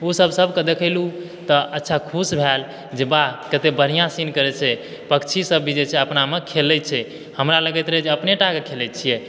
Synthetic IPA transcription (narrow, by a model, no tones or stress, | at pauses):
osəbʱsəbʱkəd̪ekʰəɪlu | t̪ɔətːʃʰakʰusbʱɛl | d͡ʒebakət̪ebəɾ̤ijãsinkəɾɛt͡ʃʰɛ | pəkt͡ʃʰisəbʱːid͡ʒet͡ʃʰɛəpnamekʰelɛt͡ʃʰɛ | həmɾaləɡɛt̪ɾɛɦɛd͡ʒeəpneʈakekʰelɛt͡ʃʰijɛ